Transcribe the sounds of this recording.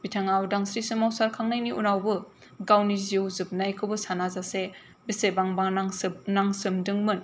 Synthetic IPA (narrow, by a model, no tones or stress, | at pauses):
bitʰaŋawdaŋsɾisɯmawsaɾkʰaŋnajniʔunawbɯ | ɡawniziwzɯp̚najkʰɯbɯsanazase | bisebaŋbaŋnŋsnaŋsɯmdɯŋmɯn